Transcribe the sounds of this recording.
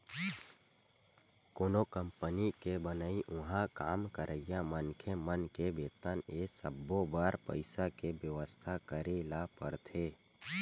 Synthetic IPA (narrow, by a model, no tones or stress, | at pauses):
koːnokəmpənikebənəiʔʊɦãkaːmkəɾʔəjamənkʰemənkebeːt̪ənesəbːobaːɾpə̰ɪsakebjəʋəst̪ʰakəɾelapə̰ɾt̪ʰeː